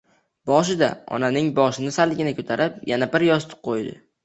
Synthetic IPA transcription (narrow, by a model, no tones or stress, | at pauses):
bɒʃ̬ɪd̪a̰ɒ̰nanɪŋbɒʃɪnɪsalːɪɡʲɪnɪkʰʲɵt̪ʰaɾɪpjanabɪɾjɒst̪ʰɪ̥qʰojd̪ɪ̰